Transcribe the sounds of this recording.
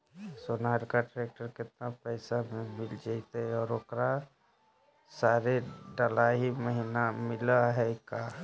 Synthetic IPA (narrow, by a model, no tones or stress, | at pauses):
soːnaːɾkaʈɾeːk̚ʈəɾkɪt̪̚napəɪsamẽmɪld͡ʒaɪt̪eɦɛɔːɾoːkɾa | saːɾeɖəlaɦiməɦinamɪlaɦɛka